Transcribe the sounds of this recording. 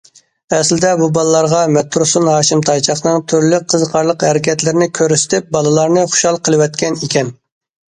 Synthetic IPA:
ɛslɪd̪ɛbubɑlˠɨlˠɑɾʁɑmɛt̪ʰːuɾsunɦɑːʃimt̪ʰɑjt͡ʃʰɑχnɨŋt̪ʰyɾlyqʰːəzqʰɑɾlˠəqhɛɾɪkʲʰɛt̪lɪɾɪnɪkʲʰøɾysɪ̥t̪ʰɪp̚bɑlˠɨlˠɑɾnɨχʊ̥ʃɑlˠqʰəlˠɨwɛt̪kʲɛnikʲɛn

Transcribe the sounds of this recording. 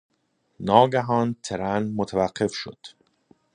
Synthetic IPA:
nɒːɡæɦɒːnt̪ʰeɾænmot̪ʰævæɢːe̞fʃo̰d̪̥

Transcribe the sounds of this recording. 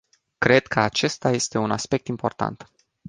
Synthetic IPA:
kɾe̞d̪kʰəat͡ʃe̞st̪aje̞st̪e̞unaspe̞k̚t̪impo̞rt̪a̰nt̪

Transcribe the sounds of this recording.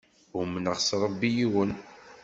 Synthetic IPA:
ʊmənəʁsɾˤəbːijiwən

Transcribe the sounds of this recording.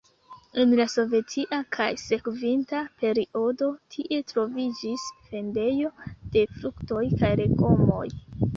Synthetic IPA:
enlaso̞ve̞tʰiʔakʰajse̞kvintape̞ɾiʔo̞do̞tʰiʔe̞tɾo̞vid͡ʒisfe̞nde̞jo̞d̥e̞fɾukto̞jkajɾe̞ko̞mo̞̰j

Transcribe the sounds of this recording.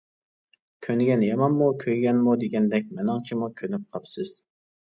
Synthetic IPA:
kʲʰønɡʲɛnjɛmɑnmukʲʰøjɡʲɛnmud̪eɡʲɛnd̪ɛk̚ʲmɛnɑŋt͡ʃʰimukʲʰønyp̚qʰɑpsɨz̥

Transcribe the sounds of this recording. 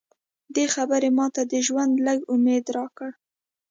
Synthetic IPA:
d̪exabəɾemɑt̪ad̪əʒwand̪ləɡʊmed̪ɾɑkəɽ

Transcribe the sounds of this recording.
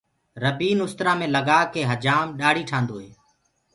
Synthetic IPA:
ɾəbiːnʊst̪ɾaːmẽːləɡaːkeːɦəd͡ʒaːmɗaːɽiːʈʰãːnd̪oːɦeː

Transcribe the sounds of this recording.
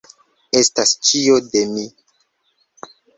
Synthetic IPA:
estast͡ʃio̞demi

